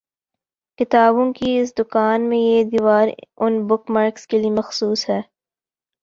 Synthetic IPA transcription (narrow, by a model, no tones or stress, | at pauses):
kɪt̪aːbõkiɪs̬d̪ʊkaːnmẽjed̪iːʋaːɾʊnbʊkmaːɾkskeliemɐxsuːsɦɛː